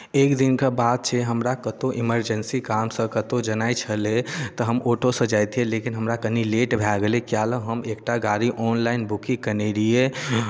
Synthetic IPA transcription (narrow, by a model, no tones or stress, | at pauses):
ekd̪inkebad̪̚t͡ʃʰɛɦəmɾakət̪oʔiməɾd͡ʒənsikamsə̃kət̪od͡ʒənajt͡ʃʰəlet̪əɦəmoʈosə̃d͡ʒajt̪ielekinɦəmɾakənileʈbʱaɡelekijaləɦəmekʈaɡaɾiʔɔnlaɪnbukĩkəneɾije